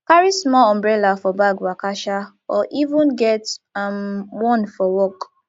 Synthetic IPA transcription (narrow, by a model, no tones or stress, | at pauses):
kaɹismɔlɔ̃mbɹɛlafɔbaɡwakaʃa | ɔʔivũnɡɛtamwɔ̃nfɔwɔk